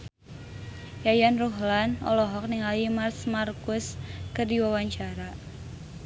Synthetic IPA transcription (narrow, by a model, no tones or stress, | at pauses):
jajanruɦlanɔ̰lɔɦɔk̚niŋalimarsmarkʊskɨrdiwawaɲt͡ʃaɾa